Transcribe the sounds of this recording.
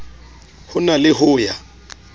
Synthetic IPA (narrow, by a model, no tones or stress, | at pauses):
hʊnalɪhʊːja